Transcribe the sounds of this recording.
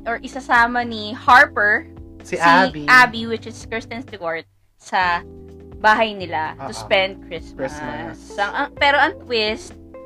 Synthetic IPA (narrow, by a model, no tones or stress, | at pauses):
ʔɔɹʔɪsɐsaːmɐnihaɹpɛɹsisiʔaːbiwɪt͡ʃɪskɹɪst̪ɛnsd̪ɪwaɹt̪̚ | sɐ | baːɦɐjnɪlat̪ʊspɛ̃nd̪̚kɹɪsmsɐŋʔɐŋpɛːɾo̞ɐŋt̪wɪst̪̚